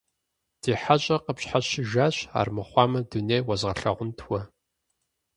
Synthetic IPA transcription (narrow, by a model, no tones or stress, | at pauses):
d̥iːħaɕʼɐqəpɕħaʃɪʒaːɕa̰ːrmɨχʷɑːmɐduneːjwɐzʁɐɬɐʁʷʊntʰwɐ